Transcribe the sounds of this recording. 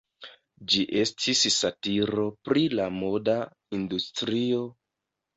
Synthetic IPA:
d͡ʒiʔe̞stʰissatiɾo̞pɾilamo̞da | industɾio̞

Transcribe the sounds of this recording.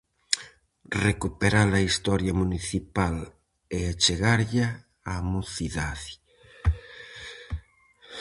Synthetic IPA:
rekupeɾalɐist̪ɔɾjamuniθipal | eat͡ʃeɣaɾʎaː | muθiðaði

